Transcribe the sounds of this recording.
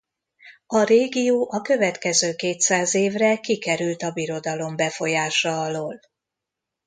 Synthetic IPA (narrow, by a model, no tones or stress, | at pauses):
ɒreːɡijoːʔɒkø̞vɛt̪kɛzøːkeːt̪saːzeːvrɛkikɛɾylt̪ɒbiɾo̞d̪ɒlo̞mbɛfo̞jaːʃɒɒloːl